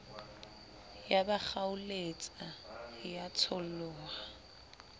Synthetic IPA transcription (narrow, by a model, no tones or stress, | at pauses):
jabak͡xaʊlet͡sʼajat͡sʰɔllɔːa